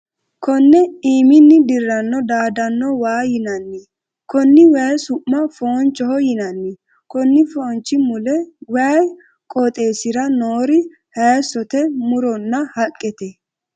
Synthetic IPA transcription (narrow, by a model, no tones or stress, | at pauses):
kɔnːɛiːmɪnːɪd̪ɪrːɐnːɔd̪aːd̪ɐnːɔwaːjɪnɐnːɛ | kɔnːɪwɛsʊʔːɐfoːnt͡ʃːɔhɔjɪnɐnːɛ | kɔnːɪfoːnt͡ʃːɪmʊlɛwɛj | kʼɔt̪ʼe̞ːsɪɾɐnoːɾɪ | hɐjsɔt̪ɛmʊɾɔnːɐhɐkʼːɛt̪ɛ